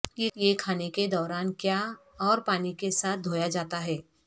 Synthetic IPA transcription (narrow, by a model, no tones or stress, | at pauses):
jejekʰaːneked̪ɔːɾaːnkjaː | ɔːɾpaːnikesaːt̪̚ʰd̪ʱoːjad͡ʒaːt̪aɦɛː